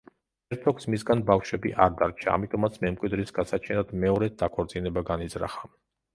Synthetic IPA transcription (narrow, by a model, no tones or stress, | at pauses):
ɛɾt̪ʰɔksmisɡanbafʃwɛbiʔaɾd̪aɾt͡ʃʰa̰a̰mit̪ʼɔmat̪sʰmɛmkʼwid̪ɾisɡasat͡ʃʰɛnad̪mɛɔɾɛt̪̚d̪akʰɔɾt̪sʼinɛbaɡanizɾa̰χa